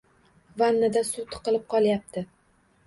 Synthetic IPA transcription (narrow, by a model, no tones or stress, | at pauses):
vanːad̪asʊt̪ʰɨ̥qɨlɪp̚qʰɒlˠjap̚t̪ʰɪ